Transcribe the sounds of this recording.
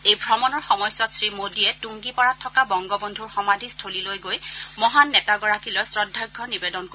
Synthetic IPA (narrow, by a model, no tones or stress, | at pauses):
ejbʱɹɔmɔnɔɹxɔmɔjsɔtsɹimodiɛtuŋɡipɔɹatʰːɔkabɔŋɡɔbɔndʱuɹxɔmadʱistʰolilojɡojmɔɦanːɛtaɡɔɹakilɔjsɹɔdʱːaɹɡʱːɔnibɛdɔnko